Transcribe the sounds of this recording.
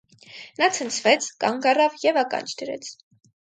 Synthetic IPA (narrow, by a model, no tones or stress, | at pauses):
nɑt͡sʰənt͡sʰvɛt͡sʰkɑŋɡɑrɑvjɛvɑkɑ̰nt͡ʃʰd̪əɾɛ̰t͡sʰ